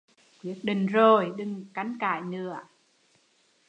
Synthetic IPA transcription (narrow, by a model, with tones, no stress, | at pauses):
kwi˨˦˥ək̚ɗï˨ŋ̟zo˨˩jɗɨ˨˩ŋka˨˦jŋkaː˧˨jnɨ˧˩˨ə